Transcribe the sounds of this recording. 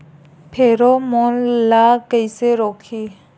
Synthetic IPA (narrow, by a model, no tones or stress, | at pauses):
pʰeɾɔmɔnlakejseɾɔkʰi